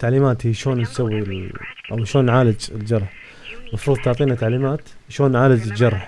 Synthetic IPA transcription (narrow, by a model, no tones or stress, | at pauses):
t̪ːaʕliːmaːt̪hijːʃoːnt̪sawːilʔawʃoːnːʕaːlɪd͡ʒɪ̰ld͡ʒɑɾˤħ | mɑfɾuːðˤt̪ʊʕt̪ˤiːnat̪ːaʕliːmaːt̪ | ʃoːnːʕaːlɪd͡ʒɪld͡ʒɑɾˤħ